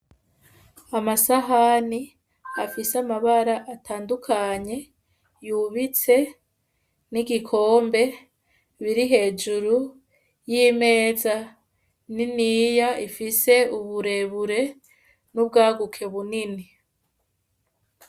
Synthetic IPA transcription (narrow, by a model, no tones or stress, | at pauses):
amasaɦani | afiseamaβaɾaʔatʰaːndukʰaɲe̞ | juβit͡se̞ | niɡikʰo̞ːmbe̞ | βiɾiɦe̞ːd͡ʒuɾu | jime̞ːza | ninijaifise̞uβuɾe̞βuɾe̞ | nubɡaːɡukʰe̞βunini